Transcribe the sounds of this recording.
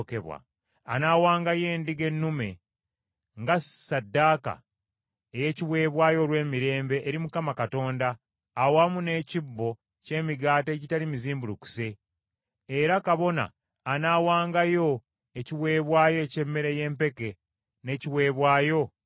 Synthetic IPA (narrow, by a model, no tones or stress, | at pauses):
keβwa̰ː | naːwaːŋɡaje̞ːndiɡe̞nːume̞ | ŋɡasadːaːka̰ | eje̞ːciwe̞ːβwaːjo̞lwe̞ːmiɾe̞ːmbe̞ʔːɾimukamakato̞ːndaː | wamune̞ːcibːo̞ | ce̞ːmiɡaːte̞ːɟitalimiziːmbuluku̥se̞ː | ɾakaβo̞na̰ː | naːwaːŋɡajo̞ | eciwe̞ːβwaːjo̞ece̞mːe̞ɾeje̞ːmpe̞ke̞ | ne̞ciwe̞ːβwaːjo̞